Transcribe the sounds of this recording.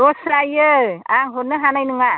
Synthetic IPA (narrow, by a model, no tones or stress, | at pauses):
ɾɔsɾajɯaŋɦonɯɦanajnuŋa